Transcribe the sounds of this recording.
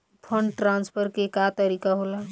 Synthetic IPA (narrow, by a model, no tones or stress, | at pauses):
pʰəɳɖʈɾãnspʰəɾkekat̪əɾikaɦola